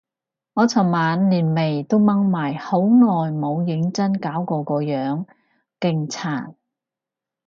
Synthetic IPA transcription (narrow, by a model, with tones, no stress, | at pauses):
ŋɔː˨˧t͡sʰɐ˨˩wmaː˨˧nliː˨˩nme˨˩jt̪o˥wmɐ˥ŋmaː˨˩jho˨˥wnɔː˨jmo˨˧wjɪ˨˥ŋt͡sɐ˥nkaː˨˥wkɔː˧kɔː˧jœː˨˥ŋ | kɪ˧ŋt͡sʰaː˨˩n